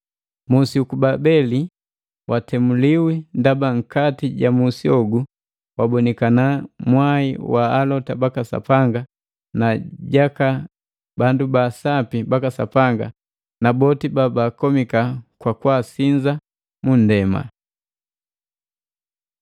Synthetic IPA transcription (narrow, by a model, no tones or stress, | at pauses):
musiukubabɛli | wʔatɛmuliwindabaŋ̩katiɟamusiɔɡu | wabɔnɛkanamwaiwaːlɔtabakasa̰paŋɡa | naɟaka | bandubasapibakasa̰paŋɡa | nabɔtibabaːkɔmikakwakuwasiɲd͡ʒa | mun̩dɛma̰